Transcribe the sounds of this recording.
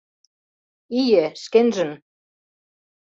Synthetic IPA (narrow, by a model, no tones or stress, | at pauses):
ijeskenʒɘ̆n